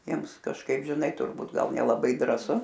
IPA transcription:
ˈjiɛms kɐʃˈkɐɪp ʒʲɪˈnɐɪ tʊrˈbuːt ˈɡɐlˠ nʲɛlˠɐˈbɐɪ drɑːˈsʊ

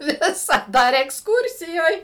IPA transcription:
ˈʋʲɪsɐˌdɐ ɐr ɛksˈkuːrʲsʲɪjoːj

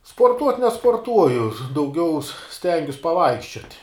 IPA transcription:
spoːrˈtuɔtʲ nʲɛspoːrˈtuɔjʊ dɐʊˈɡʲɛʊ ˈsʲtʲɛŋʲɡʲʊs pɐˈʋɐɪkʃʲt͡ʃʲoːtʲ

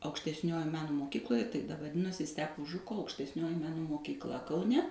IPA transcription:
ɐʊkʃʲtʲɛsʲˈnʲoːjoːj ˈmʲæːnoː moːˈkʲiːklˠoːjɛ tɐɪ ʋɐˈdʲɪnoːsʲɪ ˈsʲtʲæːpoː ˈʒʊkoː ɐʊkʃʲtʲɛsʲˈnʲoːjɪ ˈmʲæːnoː moːkʲiːkˈlˠɐ kɐʊˈnʲɛ

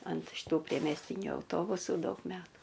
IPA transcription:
ɐnt ʃʲɪˈtuː pʲrʲiɛmʲɛsʲˈtʲiːnʲʊ ɐʊˈtoːbʊsuː ˈdɐʊk ˈmʲæːtuː

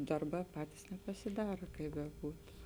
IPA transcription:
ˈdɐrˌbɑː ˈpɑːtʲɪs nʲɛpɐsʲɪˈdɑːrɐ ˈkɐɪ bʲɛˈbuːtʊ

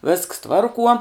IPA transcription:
ʋʲɪsks ˈtʋɐrkuɔ

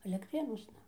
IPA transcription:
ɐlʲɛktʲˈrʲeːnuɔsnɐ

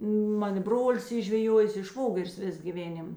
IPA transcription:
ˈmɐn ɪ ˈbroːlʲɪs ˈiː ʒʲʋʲɛˈjuɔjeːs ɪ ˈʃʋoːɡʲɛrʲɪs ˈʋʲeːs ɡʲiːˈʋʲeːnʲɪm

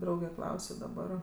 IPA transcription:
ˈdrɐʊɡʲɛ ˈklˠɐʊsʲoː dɐˈbɐr

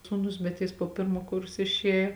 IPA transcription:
suːˈnʊs bʲɛt jɪs poː ˈpʲɪrmoː ˈkʊrsoː ɪʃʲˈeːjoː

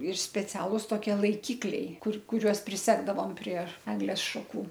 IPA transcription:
ɪr sʲpʲɛˈt͡sʲæːlˠʊs toːˈkʲiɛ lˠɐɪˈkʲɪklʲɛɪ ˈkʊr kʊˈrʲuɔs pʲrʲɪˈsʲæːɡdɐʋoːm pʲrʲiɛ ˈæːɡlʲeːs ʃɐˈkuː

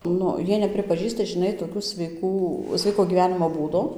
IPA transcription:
ˈnʊ ˈjiɛ nʲɛpʲrʲɪpɐˈʒʲiːstɐ ʒʲɪˈnɐɪ toːˈkʲʊ sʲʋʲɛɪˈkuː ˈsʲʋʲɛɪkoː ɡʲiːˈʋʲæːnʲɪmoː ˈbuːdoː

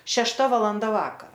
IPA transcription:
ʃʲɛʃˈtɐ ʋɐlˠɐnˈdɐ ˈʋɑːkɐrɐ

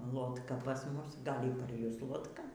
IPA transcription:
lˠoːtˈkɐ pɐs ˈmʊs ˈɡɐlʲ ɪr pɐr ˈjʊs lˠoːtˈkɐ

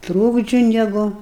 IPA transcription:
ˈtruːɡd͡ʒʲʊ ˈnʲæːɡʊ

